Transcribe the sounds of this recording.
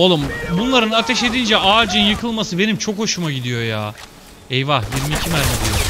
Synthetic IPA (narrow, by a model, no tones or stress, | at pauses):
olˠumbunlˠaɾɯnat̪ʰɛʃe̞d̪ind͡ʒɛʔaːd͡ʒɯnjɯkʰɯlˠmasɯbe̞nimt͡ʃʰo̞kho̞ʃumaɟid̪ijo̞jaː | ɛjvahjiɾmiːcʰimæɾid̪ejo